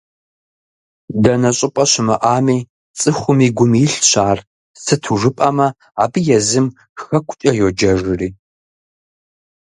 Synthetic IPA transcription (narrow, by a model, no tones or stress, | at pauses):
dɐnɐɕʼɪpʼɐɕɪmɐʔaːmiː | t͡sʼɨχʷʊmiːɡʷʊmiɬɕaːr | sɨtʰuʐɨpʼɐmɐ | aːbɨjɛzɨm | xɐkʷʰt͡ʃʼɐjod͡ʒɐʐɨriː